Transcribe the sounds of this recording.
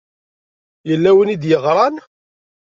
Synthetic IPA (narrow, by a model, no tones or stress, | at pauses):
jəlːæwənid̪jəʁɾˤɑn